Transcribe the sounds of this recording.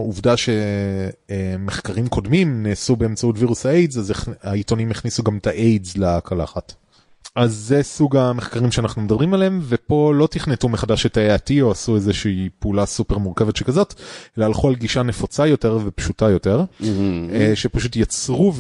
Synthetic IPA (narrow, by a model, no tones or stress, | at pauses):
uvdaʃe̞ | meχkaʁimkʰo̞dmimnesube̞ːmt͡sautviʁusaejzazeχaito̞nimeχnisuɡamtaʔejzlakʰala̰ːχat | ʔazːesuɡameχkaʁimʃeanaχnumedɐbʁimalemve̞po̞lo̞tiχnetumeχadaʃetaeatio̞asuezeʃiipeulasupe̞ʁmuʁke̞vetʃekazo̞telaːlχualɡiʃane̞fot͡sajo̞te̞ʁvepʃutajo̞te̞ʁ | ʃepaʃutjat͡sʁuv